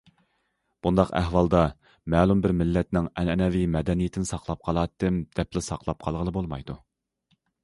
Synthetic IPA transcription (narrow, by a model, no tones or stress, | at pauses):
b̥und̪ɑqæ̰hwɑlˠd̪ɑ | mɛːlˠumbɪɾmɪlːɛt̪nɪŋɛnɛnɛvimɛd̪ɛnijɪt̪ʰɪnɪsɑqlˠɑp̚qʰɑlˠɑːt̪ːɪmd̪̥ɛplɪsɑqlˠɑp̚qʰɑlˠʁəlˠɨbolˠmɑjd̪u